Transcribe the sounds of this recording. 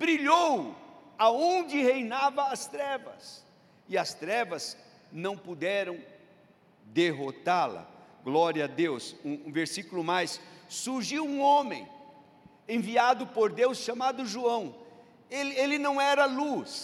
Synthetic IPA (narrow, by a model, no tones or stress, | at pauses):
bɾiʎowaõnd͡ʒɪhejnavɐːst̪ɾɛvɐ̰s | ɪɐst̪ɾɛvɐz | nɐ̃w̃pud̪ɛɾɐ̃w̃ | d̪eɦot̪alɐ̰ɡlɔɾjɐd̪ewsũũveɾsikʊlʊmajsːuɾʒiwũõmḛ̃j̃ | ẽviad̪ʊpoɾd̪ewsʃamad̪ʊʒuɐ̃w̃ | elelɪnɐ̃w̃ɛɾɐlus